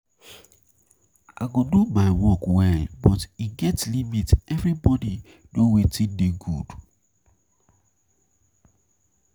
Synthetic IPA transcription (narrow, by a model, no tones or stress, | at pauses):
a̰ɪɡodumaɪwɔkwɛlbɔtiɡɛtlimitɛvɹibɔdi | nowetideɡud̥